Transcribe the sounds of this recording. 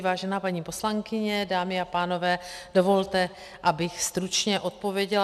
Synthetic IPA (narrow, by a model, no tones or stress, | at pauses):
vaːʒɛnaːpaɲiːposlaŋkɪɲɛdaːmɪapaːno̞vɛːd̥o̞vo̞lt̪ɛ | ʔabɪxst̪ɾut͡ʃɲɛʔo̞t̪̚po̞vjɛɟɛl